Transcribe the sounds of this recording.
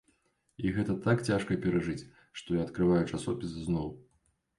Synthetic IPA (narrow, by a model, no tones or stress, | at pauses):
iɣɛt̪ɐt̪akt͡sʲaʂkɐpʲɛɾɐʐɨt͡sʲ | ʂt̪ɔjaɐt̪kɾɨvajut͡ʂasɔpʲisznɔw